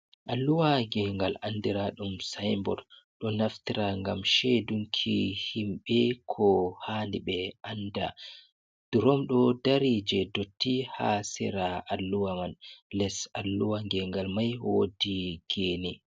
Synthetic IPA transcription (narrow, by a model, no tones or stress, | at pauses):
ʔalːuwaŋɡɛŋɡalandiɾaɗumsajmbɔ̰ɾ | ɗɔnaftiɾaŋɡamʃeduŋkʰihimɓɛkʰɔhandiɓɛʔanda | d̥uɾɔmɗɔdaɾid͡ʒɛdotːihasiɾaʔalːuwamanlɛsalːuwaŋɡɛŋɡalmajhodiɡ̥eːni